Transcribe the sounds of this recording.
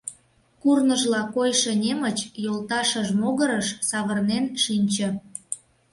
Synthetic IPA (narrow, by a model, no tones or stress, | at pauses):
kurnəʒlɑkojʃĕnʲemət͡ɕjolˠt̪ɑʃəʒmoɣəɾəʃsɑβərnenʃinʲt͡ɕə̆